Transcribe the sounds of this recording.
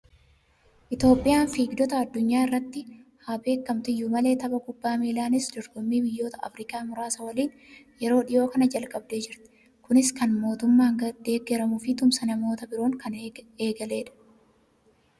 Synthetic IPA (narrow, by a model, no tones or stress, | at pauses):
ʔɪt̪jo̞ːpʼːɪjaːnfiːɡd̪ɔt̪ɐɐd̪ːʊɲːaːɪrːɐt̪ːɪhaːbe̞ːkːɐmt̪ɪjːʊmɐle̞ːt̪ɐbɐkʊbːaːmeːlaːnɪsd̪ɔɾɡɔmːiːbɪjːo̞ːt̪ɐʔɐ̰fɾɪːkaːmʊɾaːsɐwɐliːn | jɛɾo̞ːᶑɪjo̞ːkɐnɐd͡ʒɐlkʼɐbd̪e̞ːd͡ʒɪɾt̪ɪ̥ | kʊnɪskɐnmo̞ːt̪ʊmːaːŋɡɐd̪̥e̞ːɡːɛɾɐmʊfɪt̪ʊmsɐnɐmo̞ːt̪ɐbɪɾo̞ːŋkɐne̞ːɡɐle̞ːᶑɐ̥